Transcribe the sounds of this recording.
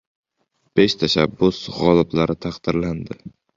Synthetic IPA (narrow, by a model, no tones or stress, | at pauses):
b̥eʃt̪ʰaʃabːʊsʁɒlˠɪblaɾɪt̪ʰaqd̪̥ɪɾland̪ɪ